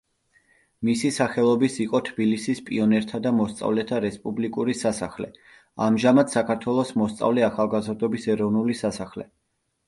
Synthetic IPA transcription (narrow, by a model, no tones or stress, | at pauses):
misisaχɛlˠɔbisiqʼɔt̪ʰb̥ilisispʼiɔnɛɾt̪ʰad̪amɔst̪sʼa̰vlɛt̪ʰaɾɛspʼublikʼuɾisasaχlɛ̰ | amʒamad̪sakʰaɾt̪ʰwɛlˠɔsmɔst̪sʼa̰vlɛaχalˠɡazɾd̪ɔbisɛɾɔvnulisasaχlɛ̰